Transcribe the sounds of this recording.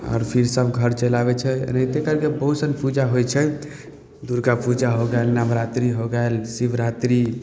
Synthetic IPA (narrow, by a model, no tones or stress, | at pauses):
ɔ̰ːɾpʰiɾsəbɡʱəɾt͡ʃəlaβɛt͡ʃʰɛ̰net̪ekəɾkebəusənpud͡ʒaɦojt͡ʃʰɛ | d̪uɾɡapud͡ʒaɦoɡaelnamɾat̪ɾiɦoɡaelsibɾat̪ɾi